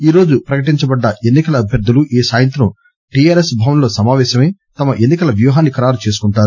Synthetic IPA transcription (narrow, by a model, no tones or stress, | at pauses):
iːɾo̞ːd͡ʒupɾɐkɐʈiɲt͡ʃɐbɐɖːɐʔe̞nːikɐlɐːbʱjɐɾd̪ʱːuluʔiːsaːjɐnt̪ɾɐm | ʈijaːɾesbʱaːʋɐmlo̞ːsɐmaːʋɛːʃɐmeːt̪ɐmɐʔe̞nːikɐlɐʋjuːɦaːnːikɐɾaːɾut͡ʃe̞ːs̬u̥kuɳʈaːɾu